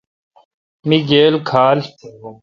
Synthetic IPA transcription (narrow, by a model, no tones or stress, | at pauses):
miɡeːlkʰaːl